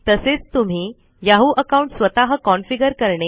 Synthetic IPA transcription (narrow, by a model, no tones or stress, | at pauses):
t̪əset͡st̪um̤iː | jaɦuːʔəkauɳʈsʋət̪aɦəkɔnfiɡəɾkəɾɳe